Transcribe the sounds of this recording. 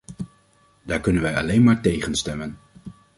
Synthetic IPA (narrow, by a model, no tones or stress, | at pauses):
daːɹkɵnənʋɛjɑ̰lejnmaːɹtejχənstɛmən